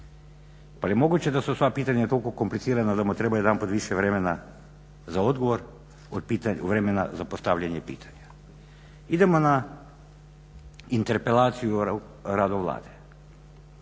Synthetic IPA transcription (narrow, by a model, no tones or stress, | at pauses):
palijemo̞ɡut͡ɕed̪asusʋapiːt̪aɲat̪o̞lkokomplit̪siɾanad̪amut̪ɾebajed̪ampod̪ʋiʃɛʋɾemena | zaod̪ɡoʋoɾ | od̪pit̪aʋɾemena̰zapost̪aʋʎaɲepḭːt̪ʰḁɲa | id̪emona | int̪eɾpelaːt̪siju | ɾad̪oʋlˠa̰ːd̪e